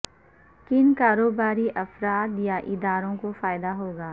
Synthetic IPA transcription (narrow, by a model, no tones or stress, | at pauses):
kɪnkaːɾoːbaːɾiʔɐfɾaːt̪jaʔɪd̪aːɾõkofaːɪd̪aɦoːɡaː